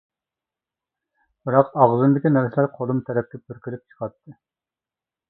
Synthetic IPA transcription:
b̥ɨɾɑqɑʁzɨmd̪ɪkʲinːæɾsɪlæɾqʰolˠumt̪ʰɛɾɛp̚kʲɛpʰyɾkʲilyp̚t͡ʃʰɨ̥qʰɑt̪ʰːɨ

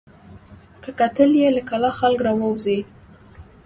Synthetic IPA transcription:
kəkat̪əljeləkalɑxalkɾɑwəwze

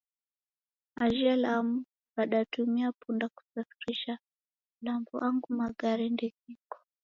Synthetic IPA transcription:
aʒɛlamu | aɗatumiapundaku̥safiɾiʃa | lambuʔaŋɡumaɡaɾɛndɛkikɔ̥

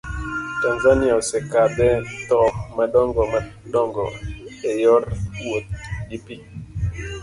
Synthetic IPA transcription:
tanzaniaosɛkabɛtɔmaɗɔŋɡɔmaɗɔŋɡɔ̰ɛjɔrwot̪̚dipik̚

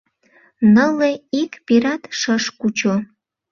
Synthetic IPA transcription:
nəlːeikpiɾɑt̪ʃəʃkut͡ɕo

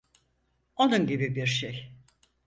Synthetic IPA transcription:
onunɟibibiɾʃej

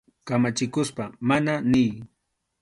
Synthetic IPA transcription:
kamat͡ʃɪkʊspamananɪj

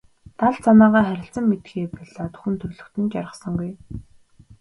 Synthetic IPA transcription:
t̪aɮsʰanaːʁaːχæɾʲɪ̆ɬt͡sə̆mːet̪ɡeːpæɮaːt̪ɵ̥xŭnt̪ʰɵɣɮɵ̆kt̪ɘ̆nt͡ɕjaɾʁə̆χsɞ̆ŋɡuj

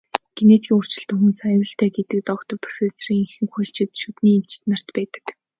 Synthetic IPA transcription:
ɡ̥enet̪ɡʲiːŋur̥t͡ɕɪ̆ɬt̪ɵ̆ːxumːsajə̆ɬt̪ʰæːɡet̪ɘ̆k̚t̪ɔkt̪ɔ̆pʰrɔ̥fesɔriːŋixɘ̆ŋxujɬt͡ɕɪ̆t̪ʃut̪niːemt͡ɕt̪năr̥t̪pæːt̪ə̥̆k

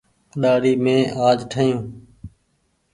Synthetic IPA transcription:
ɗaːɾiːmẽːaːd͡ʒʈʰəjũː

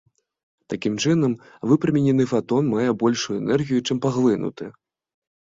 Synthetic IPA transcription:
t̪akʲimt͡ʂɨnɐm | vɨpɾɨmʲɛnʲɛnɨfat̪ɔnmajɛbɔlʲʂujuɛ̰nɛrɣʲijut͡ʂɛmpaɣlˠɨnṵt̪ɨ

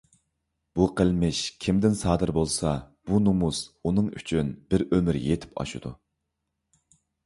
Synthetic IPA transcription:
b̥uqʰəlˠmɪʃkʲʰimd̪ɪnsɑːd̪ɨɾbolˠsɑ | b̥unumusunɨŋy̰t͡ʃʰynbɪɾømyɾjet̪ʰɪ̥pʰɑ̰ʃṵd̪ṵ

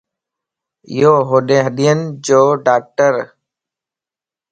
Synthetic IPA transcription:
ɪ̰joːɦoːɗẽːɦəɗijənd͡ʒoːɖaːk̚ʈəɾ

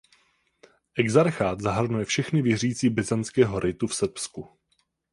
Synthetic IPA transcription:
ʔɛɡzaɾxaːt̪zaɦr̩nujɛfʃɛxnɪvjɛr̝iːt͡siːbɪzanskɛːɦo̞ɾʔɪt̪ufsr̩psku

